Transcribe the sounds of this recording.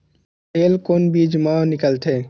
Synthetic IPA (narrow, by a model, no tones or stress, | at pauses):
eːlkoːnbʱiːd͡ʒmãnɪkəlt̪ʰeː